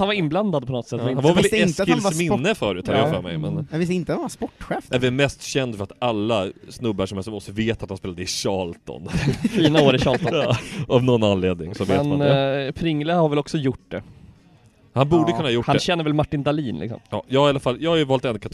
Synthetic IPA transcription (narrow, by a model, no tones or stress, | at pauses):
hanvaɾɪnbland̪ad̪̚pʰɔnɔt̪sɛt̪ːɛɪnhanvaɾvɛlɛsɪlmɪnːəfœːɾʉt̪haɾafœːɾmɛ̰jmɛnvɪsɪnt̪əaaspɔʈːɧɛːfɛɾvɛlmɛst̪ɕɛnd̪fœɾat̪alːasnɵbːaʂɔmɛlsɔmɔst̪ɔveːt̪at̪hanspeːlad̪əɪɕɑːlt̪ɔ̰nfiːnaoːɾɪɕɑːlt̪ːavnɔnːanleːd̪nɪŋsɔveːɛnanpʰɾɪŋːləhaɾvɛlɔksɔjʊʈ̚d̪ɛ | hanbuːɖəkɵnahaːjʊʈhanɛɕɛnːəɾvɛlmaʈːɪnd̪aliːnlɪ̰ksɔ̰mjɑ̰ːjɑːɡaɾalafaljɑːɡajɵvɑːlt̪ɛnːkʰat̪